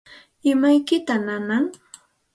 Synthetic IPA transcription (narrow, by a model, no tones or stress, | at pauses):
ɪmajkɪt̪ananaŋ